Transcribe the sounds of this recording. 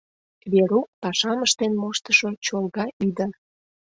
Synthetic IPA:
βeɾuk̚pɑʃɑməʃt̪enmoʃt̪əʃo̽t͡ɕolɣɑʔid̪ər

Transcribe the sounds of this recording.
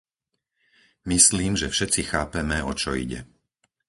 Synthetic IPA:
misliːmʒɛfʃɛt͡sixaːpɛmɛɔt͡ʃɔḭɟɛ̰

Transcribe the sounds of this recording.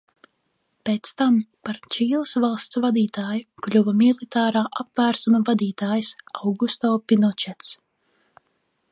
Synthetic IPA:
peːt̪st̪ampaɾt͡ʃiːlˠɨsvalˠst̪svad̪iːt̪aːjuklʲuvɐmilˠit̪aːɾaːʔapvæːɾsumɐvad̪iːt̪aːjsawɡust̪ɔːpʲinɔt͡ʃɛt̪s

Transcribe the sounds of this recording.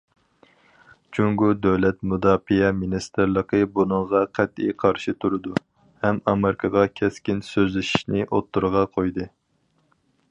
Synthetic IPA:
t͡ʃʰuŋɡud̪ɛwlɛt̪mud̪ɑːfijɛminist̪ɨɾlˠəqəbunɨŋʁɑqʰæt̪ḭjqʰɑɾʃit̪ʰuɾɨd̪u | hɛmɑmeɾɪkʰɑʁɑkʲʰɛskʲinsøzlɪʃi̥ʃnɪʔot̪ʰːuɾʁɑqʰojd̪ɨ

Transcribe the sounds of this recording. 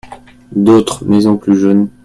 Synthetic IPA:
d̪ot̪χmezɔ̃plyʒœn

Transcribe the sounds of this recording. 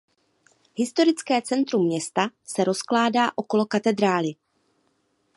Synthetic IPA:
ɦɪst̪o̞ɾɪt͡skɛːt͡sɛnt̪ɾumːɲɛst̪asɛɾo̞sklaːdaːʔo̞ko̞lo̞kat̪ɛd̪ɾaːlɪ

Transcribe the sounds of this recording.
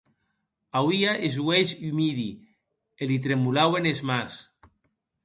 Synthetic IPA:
awiaʔezwezymiði | elit̪̬ɾemulawenezmas

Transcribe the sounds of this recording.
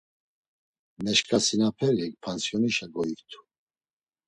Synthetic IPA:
mɛʃkʰʼasinapʰɛlik̚pʰansjɔniʃaɡɔikt̪ʰu̥

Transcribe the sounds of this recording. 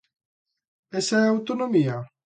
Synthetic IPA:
esaeawt̪onomia

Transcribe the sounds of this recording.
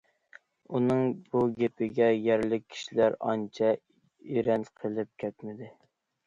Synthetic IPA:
unɨŋbuɡʲepʰɪɡʲɛjɛɾlɪkʲʰːi̥ʃilæɾɑ̰nt͡ʃʰɛ | iɾɛnqʰəlˠɪp̚kʲʰɛt̪mɪd̪ɪ

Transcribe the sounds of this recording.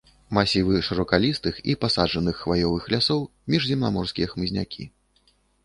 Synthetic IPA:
masʲivɨʂɨɾɔkalʲist̪ɨxḭpasaʐɐnɨxːvajɔvɨxlʲasɔw | mʲiʐzʲimnamɔrskʲijɛxmɨzʲnʲa̰kʲḭ

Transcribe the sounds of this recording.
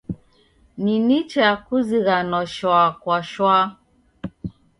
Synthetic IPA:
ninit͡ʃɛakuziɣanɔʃwakwaʃwa

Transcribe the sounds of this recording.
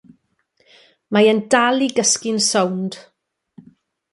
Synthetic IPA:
majəndalˠiɡəskɪnsɔwnd̥

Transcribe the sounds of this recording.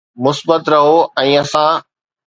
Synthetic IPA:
mʊsbət̪ɾɐɦoɛ̃ːɐsãː

